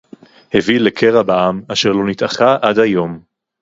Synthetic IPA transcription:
hevilekʰeʁabaamaʃeʁlo̞nit̪aχaʔadhajo̞m

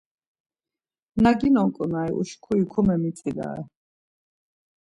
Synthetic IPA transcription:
naɡinɔŋkʼunaiʔṵʃkʰuikʰumɛmit̪t͡s̪ʼila̰ɛ̰

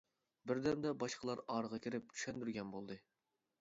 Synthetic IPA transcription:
bɪɾd̪ɛmd̪ɛbɑʃqʰəlˠɑɾɑːɾəʁɑkʲʰiɾɪp̚t͡ʃʰy̥ʃɛnd̪yɾɡʲɛnbolˠd̪ɨ

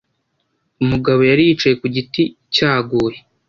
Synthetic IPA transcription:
umuɡaβo̞jaɾiːt͡ʃaje̞kuɟiti | caːɡuːje

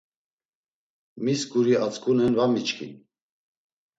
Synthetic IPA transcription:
miskuɾiat͡skunɛnvamit͡ʃkʰḭn

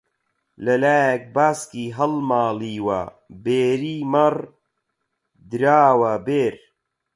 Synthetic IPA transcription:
lɐlaːjk̚baːskiːɦɐlmaːliːwa̰ | beːɾimɐɾ | d̪ɾaːwabeːɾ

